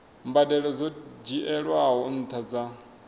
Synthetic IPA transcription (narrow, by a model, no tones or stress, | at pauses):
mbadɛɺɔzʷɔd͡ʒiʔɛɺwaɦɔn̩t̪ʰad͡za